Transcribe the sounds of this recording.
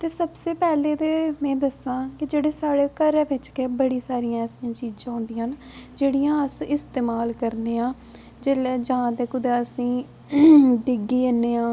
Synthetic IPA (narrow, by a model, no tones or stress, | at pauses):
t̪eːsəbseːpɛːleːd̪eːmɛ̃ːd̪əsãːkɪd͡ʒeːɽeːsaːɽeːkəɾɛːʋɪt͡ʃkebəɽiːsaːɾijãːɛːsiãːt͡ʃiːd͡ʒãːɦõːnd̪ijãːn | d͡ʒeːɽijãːəsɪst̪eːmaːlkəɾneːãː | d͡ʒeːlɛːd͡ʒãːd̪eːkʊd̪eːəsĩː | ɖɪɡiːenːeːãː